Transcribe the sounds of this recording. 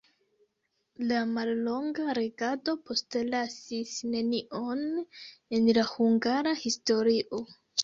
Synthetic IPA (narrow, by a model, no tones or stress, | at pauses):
lamalːo̞ŋɡaɾe̞ɡado̞pʰo̞stlasisne̞niʔo̞ne̞nlahuŋɡaɾahisto̞ɾiʔo̞